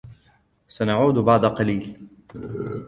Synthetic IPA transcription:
sanaʕuːd̪bɑʕd̪ˤɑqɑliːl

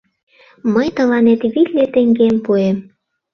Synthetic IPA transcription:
məjt̪ə̆lɑnet̪βilʲːet̪ĕŋɡempuem

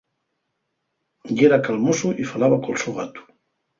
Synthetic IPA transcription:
ʎeɾakalmusuʔifalaβakolsuɣat̪u̥

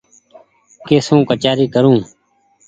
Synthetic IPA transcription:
keːsũːkət͡ʃaːɾiːkəɾũː

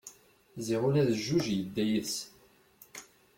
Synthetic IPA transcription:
ziʁʊlæðəʒːuʒjəd̪ːæjəs

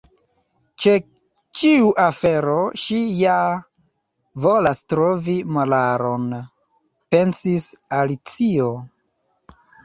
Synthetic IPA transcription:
t͡ʃe | t͡ʃiuʔafeɾo̞ʃija | vo̞lastɾovimalaɾon | pe̞nsisalit͡sio̞

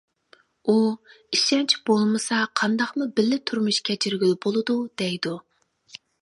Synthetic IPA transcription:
u | iʃɛnt͡ʃʰib̥olˠmɨsɑqʰɑnd̪ɑχmubɪlːɪt̪ʰuɾmuʃkʲʰɛt͡ʃʰiɾɡʲylɪbolˠɨd̪ud̪̥ɛjd̪u

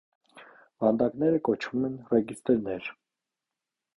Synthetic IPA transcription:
vɑnd̪ɑknɛɾəkɔt͡ʃʰvumɛnrɛɡist̪ɛɾnɛɾ

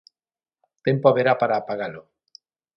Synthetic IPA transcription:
t̪empoaβeɾapaɾapaɣalo

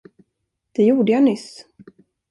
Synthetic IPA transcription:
d̪̥ɛjuːɖəjanʏs

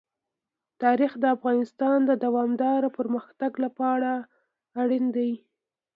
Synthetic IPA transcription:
t̪ɑɾixd̪əafɣɑnɪst̪ɑnd̪əd̪awɑmd̪ɑɾapəɾməxt̪aɡlapɑɽaː | ɽind̪awi

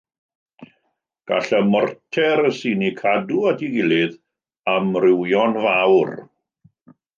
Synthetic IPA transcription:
ɡ̥a̰ɬəmɔrtʰɛɾəsiːnikʰaduatʰiɡɪlˠɪð | amrɪwjɔnvawr

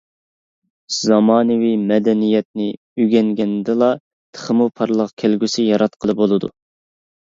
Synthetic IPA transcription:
z̥ɑmɑːnɨwimɛd̪ɛnijɛt̪̚nɪ | yɡʲɛŋɡʲɛnd̪ɪlˠɑ | t̪ʰə̥χəmupʰɑɾlˠəqkʲʰelɡʲysɪjɑɾɑt̪qʰəlˠɨp̚bolˠɨd̪ṵ

